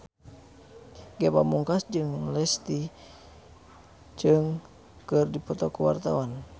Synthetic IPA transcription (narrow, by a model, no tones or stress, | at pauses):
ɡɛba̰muŋkasd͡ʒɨŋlɛst̪i | d͡ʒɨŋ | kɨrdipɔt̪ɔkuwa̰rt̪awan